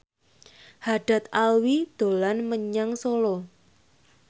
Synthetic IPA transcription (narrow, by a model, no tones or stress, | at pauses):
haɖ̥a̤t̪̚alwid̪̥o̤lanməɲaŋsolɔ